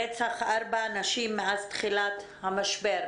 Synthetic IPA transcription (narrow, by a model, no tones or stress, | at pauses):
et͡saχʔaɾbaːnaʃimːeazt̪χilat̪ | hamaʃbeɾ